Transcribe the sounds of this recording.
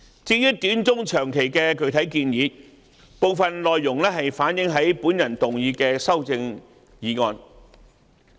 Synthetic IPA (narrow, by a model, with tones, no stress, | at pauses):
t͡siː˧jyː˥t̪yː˨˥nt͡sʊ˥ŋt͡ʃʰœː˨˩ŋkʰe˨˩jkɛː˧kɵ˨˧ɥt̪ʰɐ˨˥jkiː˧njiː˨˧ | po˨˧wfɐ˨nlɔː˨jːʊ˨˩ŋlɛː˥ɦɐ˨jfaː˨˥njɪ˨˥ŋɦɐ˨˥jpuː˨˥njɐ˨˩nt̪ʊ˨ŋjiː˨˧kɛː˧sɐ˥wt͡sɪ˧ŋ | jiː˨˥ŋɔː˨˧n